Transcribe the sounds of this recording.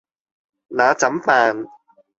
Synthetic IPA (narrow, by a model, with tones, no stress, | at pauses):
naː˨˦t͡sɐ˨˦mpaː˧n